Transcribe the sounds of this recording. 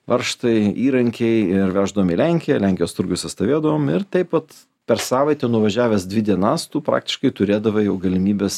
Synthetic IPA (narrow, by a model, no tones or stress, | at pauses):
ʋɐɾʃt̪ɐɪiːɾɐŋʲkʲɛɪɪɾʋʲæːʒd̪ɐʋoːmilʲæŋʲkʲɪjɛlʲæˑŋʲkʲɪjoːst̪ʊɾʲɡʲʊsʲɪst̪ɐʋʲeːd̪ɐʋoːmɪɾt̪ʲɛɪpʋɐt̪ | pʲɛɾsɑːʋɐɪt̪ʲɛnʊʋɐʒʲæːʋʲɛsd̪ʲʋʲɪd̪ʲiɛnɑst̪uːpɾɑ̰ːk̚t̪ʲɪ̥ʃkɐɪt̪ʊɾʲeːd̪ɐʋɐjɛʊɡɐlʲɪmʲiːbʲɛːs